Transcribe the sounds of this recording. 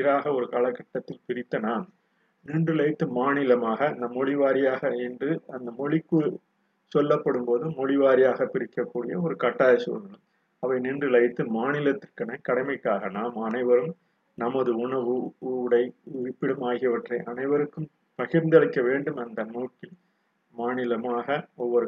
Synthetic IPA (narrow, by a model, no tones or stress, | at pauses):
ɪɾaːɣɐɔɾɯkalɐkːɐʈːɐt̪ːɪlpɪɾɪt̪ːɐnaːm | nɪɳdrɯlɐɪt̪ːɯmaːnɪlɐmaːɣɐːnd̪ɐmɔɻɪʋaːɾɪjaːɣɐɛndrɯɐnd̪ɐmɔɭɪkːɯ | sɔlːɐpːɐɽɯmpoːðɯmɔɻɪʋaːɾɪjaːɣɐpɪɾɪkːɐkːuːɽɪjɐɔɾɯkɐʈːaːðɐsɐ̰ɐɯ | ɐʋɐɪnɪɳdrɯlɐɪt̪ːɯmaːnɪlɐt̪ːɪɾkɐnɐkɐɽɐɪmɐɪkːaːɣɐnaːmɐnɐɪʋɐɾɯm | nɐmɐðɯʊɳɐʋɯɽɐɪɪpːɪɽɐmaːɣɪɐʋɐʈrɐɪʔɐnɐɪʋɐɾɯkːɯm | pɐɣɪɾnd̪ɐlɐɪkːɐʋeːɳɖɯmɐnd̪ɐnuːʈ̚kɪl | maːnɪlɐmaːɣɐɔʋːɔɾ